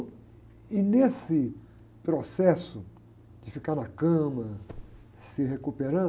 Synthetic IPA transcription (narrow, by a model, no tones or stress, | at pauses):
ɪnesɪ | pɾosɛsʊ | d͡ʒɪfikaɾnɐkɐ̃mɐ | sɪɦekupeɾɐ̃